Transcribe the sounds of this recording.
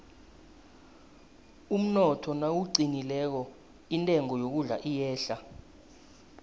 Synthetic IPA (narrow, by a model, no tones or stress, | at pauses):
um̩nɔtʰɔnawuǀinilɛk̬ɔ | intʼɛŋɔjok̬uɮa̰ʔijɛːɬa